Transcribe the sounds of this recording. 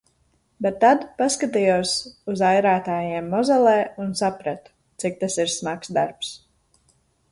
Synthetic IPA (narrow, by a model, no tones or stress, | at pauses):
bɛt̪ːad̪paskat̪ijuɔsuzajɾaːt̪aːjeɛmːɔzɛlˠɛːunsapɾat̪u̥ | t̪sik̚t̪asiɾsmaksd̪aɾps